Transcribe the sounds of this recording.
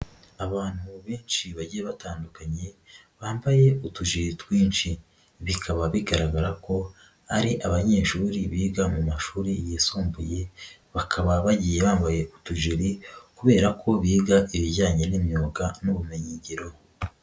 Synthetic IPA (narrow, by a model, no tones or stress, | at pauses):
aβaːn̥huβiːnʃiβaɟijeβataːndukaɲe̞ | βaːmbaje̞utuʒiɾitwiːnʃi | βikʰaβaβiɡaɾaɡaɾako̞ | aɾiʔaβaɲe̞ːʃuːɾiβiːɡamumaʃuːɾijisoːmbuje̞ | βakʰaβaβaɟijeβaːmbaje̞ʔutuʒiɾikuβe̞ːɾakʰo̞βiːɡaʔiβiɟaːɲe̞nimjoːɡanuβumeɲiːɲɟiɾo